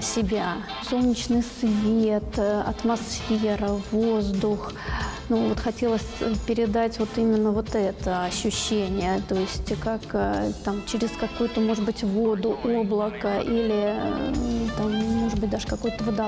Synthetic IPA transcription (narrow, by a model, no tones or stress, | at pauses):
sʲɪbʲa | so̞lˠnʲɪt͡ɕnɨjsvʲet̪ɐ̰t̪masffʲeɾəvo̞zd̪ʊx | nuvot̪xɐtʲe̞lˠəsʲpʲɪɾʲɪd̪atʲvo̞t̪imʲɪnːəvo̞t̪ɛt̪əɐɕːʉɕːenʲɪjət̪o̞jɪsʲtʲkakt̪amt͡ɕɪɾʲɪskɐkujʊt̪əmo̞ʐɨd̪bɨtʲvo̞d̪ʊʔoblˠəkəʔilʲɪ | t̪amːo̞ʐɨd̪̚bɨt̚ʲd̪aʐɨkɐkojʊt̪əvəd̪a